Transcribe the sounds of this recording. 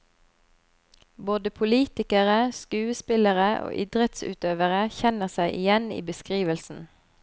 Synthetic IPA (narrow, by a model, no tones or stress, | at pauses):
boːd̪əpʰʊliːt̪ɪkəʁəskʉːəspɪləʁəʔo̰ːʔɪd̪ʁət̪sʉ̰ːt̪øːʋəʁəçɛnəʁsæɪʔɪjɛnḭːbəskʁiːʋəlsn̩